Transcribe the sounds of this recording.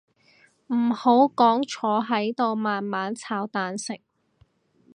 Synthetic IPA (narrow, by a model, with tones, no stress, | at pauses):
m̩˨˩ho˨˥wkɔː˨˥ŋt͡ʃʰɔː˨˥ɦɐ˨˥jt̪o˧wmaː˨nmaː˨˥nt͡sʰaː˨˥wt̪aː˨nsɪ˨k̚